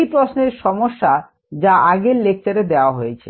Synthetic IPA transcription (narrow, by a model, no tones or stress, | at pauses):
jpɾosneɾʃɔmoʃːa | d͡ʑaʔaɡeɾlek̚t͡ɕaɾed̪eoaɦojet͡ɕʰe